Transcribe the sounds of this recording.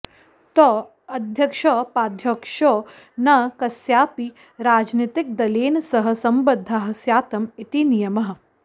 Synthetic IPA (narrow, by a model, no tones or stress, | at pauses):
t̪ɔː | ɐd̪ʱjɐkʃɐpaːd̪ʱjokʂo | nɐkɐsjaːpi | ɾaːd͡ʒnit̪ɪk̚d̪ɐleːnsɐɦɐ̆sɐmbɐd̪ʱːaɦɐ̆sjaːt̪ɐmit̪inijɐmɐɦɐ̆